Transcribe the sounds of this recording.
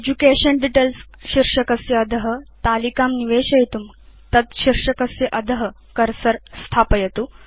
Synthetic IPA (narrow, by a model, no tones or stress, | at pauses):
ed͡ʑukeɕənɖiʈels | ɕiɾʂəkəsjəɐd̪ʱəɦə̆t̪alikamniʋeɕɐjt̪um | t̪ɐt̪ɕiɾʂəkəsjeʔɐd̪ʱəɦə | kəɾsəɾst̪ʰapəjet̪u